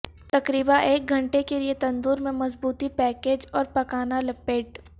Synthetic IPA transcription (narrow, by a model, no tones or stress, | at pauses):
t̪ɐkɾiːbãʔeːk̚ɡʱɐ̃ɳʈekeliet̪ɐ̃nd̪uːɾmẽmɐzbuːt̪ipɛːkeːd͡ʒɔːɾpɐkaːnalɐpeːɖ